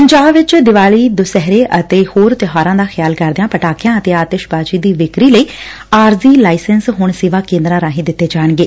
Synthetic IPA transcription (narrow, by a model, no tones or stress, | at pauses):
pəɲd͡ʒaːbʋɪt͡ʃd̪ɪʋaːliːd̪ʊsɛɦɾeːʔət̪eːhoːɾt̪ɪɦaːɾãːd̪aːxʰɪjaːlkəɾd̪ejãːpəʈaːkijãːət̪eːaːt̪eːʃbaːt͡ʃiːd̪iːʋɪkɾiːləiː | aːɾziːlaːɪsənsɦʊɳsɪʋaːkẽːnd̪ɾãːɾaːɦĩːd̪ɪt̪ːeːd͡ʒaːəɳɡeː